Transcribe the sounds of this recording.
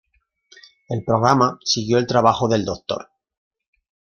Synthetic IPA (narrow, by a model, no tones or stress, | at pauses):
e̞lpɾo̞ɣɾamasiɣjo̞e̞lt̪ɾaβ̞axoðe̞ld̪ok̚t̪o̞̰ɾ